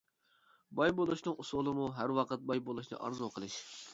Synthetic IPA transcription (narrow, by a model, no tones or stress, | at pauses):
bɑjbolˠuʃnɨŋusulˠɨmuɦæɾwɑqʰət̪̚bɑjbolˠuʃnɨ̰ʔɑ̰ɾzuqʰəlˠɨʃ